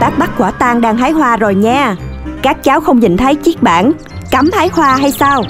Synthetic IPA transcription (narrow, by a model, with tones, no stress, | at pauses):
t̪aː˦˥k̚ɓa˦˥k̚kwaː˧˩t̪aː˧ŋɗaː˧ŋhaː˨˦jhwaː˧zo˨˩jɲaː˧kaː˦˥k̚t͡ɕaː˨˦wxə˧wŋ͡mɲḭ˨˩ŋ̟t̪ʰə˨˦jt͡ɕi˦˥k̚ɓa̰ː˧˩n | ka˨˦mhaː˨˦jhwaː˧ɦa˧jsaː˧w